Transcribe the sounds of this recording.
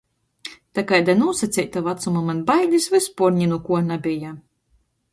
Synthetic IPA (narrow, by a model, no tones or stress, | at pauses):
t̪akajd̪anuːsat̪sʲɛjtt̪avat̪sumamanbajd̪ʲisvɨspuɾɲinukuɔnabʲija